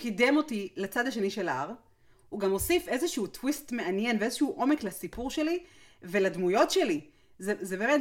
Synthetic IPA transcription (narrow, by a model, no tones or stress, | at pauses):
kide̞mo̞tilat͡sad̪haʃe̞niʃelaaʁ | huɡamo̞sife̞zeʃuutwistme̞anjenveezeʃuuʔo̞me̞klasipuʁʃe̞li | veladmujo̞tʃe̞li | zezebeːmet